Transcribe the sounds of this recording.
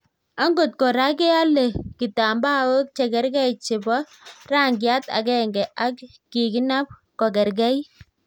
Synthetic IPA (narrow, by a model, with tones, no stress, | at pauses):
a˦ŋɡo˨tkɔ˨ɾa˦kɛ˦a˦lɛ˨ki˨ta˨mba˦wo˦k̚t͡ʃɛ˨ɡɛ˦ɾɡɛ˦jt͡ʃi˨bɔ˦ | ra˦ŋɡɪ˨a˦ta̰˨ɡɛ˦ŋɡɛ˨ʔa˦kː | i˨ki˦na˦p̚kɔ˨ɡɛ˨ɾɡɛ˦j